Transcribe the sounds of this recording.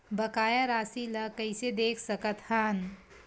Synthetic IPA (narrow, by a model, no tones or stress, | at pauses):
bəkaːjaɾaːsilɐkɐɪsed̪eːkʰsəkət̪haːn